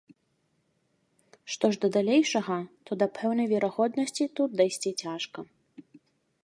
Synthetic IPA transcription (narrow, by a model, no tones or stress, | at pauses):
ʂt̪ɔʐd̪ɐd̪alʲejʂɐɣɐt̪ɔd̪ɐpʰɛwnɐjvʲɛɾaɣɔd̪nɐsʲt͡sʲit̪ut̪̚d̪ɐjsʲt͡sʲit͡sʲaʂkɐ